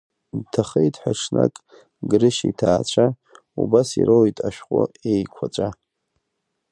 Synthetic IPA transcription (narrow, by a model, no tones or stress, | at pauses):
dtʰaχejtʰʼħʷᶣaʂʰnakʼ | ɡɾɨʃitʰaːt͡ɕʷʰa | ubasiɾʔolitʼaʃᶣqʼʊejkʷʰat͡ʃʷʼa